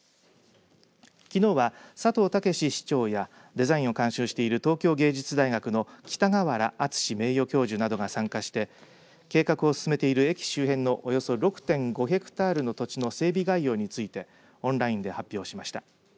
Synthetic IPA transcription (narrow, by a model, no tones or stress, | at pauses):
kʲino̞ːβasat̪o̞ːt̪ake̞ɕiɕi̥t͡ɕo̞ːja | d̪e̞zaĩɰ̃o̞kãɰ̃ɕɨːɕi̥t̪e̞iɾɯ̟t̪o̞ːkʲo̞ːɡe̞ːd͡ʑit͡sɨd̪aiɡakɯ̟no̞kʲi̥t̪aɡaβaɾaʔːt͡sɨ̥ɕime̞ːjo̞kʲo̞ːʑɨnad̪oɡasãŋkaɕi̥t̪e̞ | ke̞ːkakɯ̟o̞sɨ̥sɨme̞t̪e̞iɾɯ̟e̞kʲi̥ɕɨːɦẽ̞nːo̞ʔojo̞so̞ɾo̞kɯ̟̥t̪ẽ̞ŋɡo̞ɦekɯ̟̥t̪aːɾɯ̟no̞t̪o̞t͡ɕino̞se̞ːbʲiɡaijo̞ːɲ̟it͡sɨit̪e̞ | õ̞nɾaĩnd̪e̞hapʲːjo̞ːɕimaɕi̥t̪a